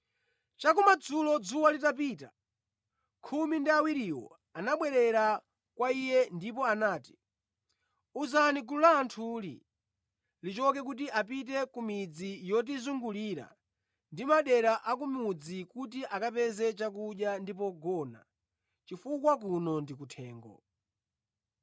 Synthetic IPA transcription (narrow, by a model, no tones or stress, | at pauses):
t͡ʃakumad͡zulɔd͡zuwalitap̬iːta̰ | kʰumindiawiɾiwɔ̰ | anaɓwɛɾɛɾa | kwaijɛndipɔanaːti̥ | uzaniɡululaːntʰuːlḭ | lit͡ʃɔkɛk̬ut̬iʔap̬it̬ɛkumid͡zijɔt̬izuŋɡuliːɾa̰ | ndimaɗɛɾaʔak̬umud͡zikutiʔakapɛzɛt͡ʃakuɗjandipɔɡɔna | t͡ʃifukwak̬unɔndikutʰɛːŋɡɔ̰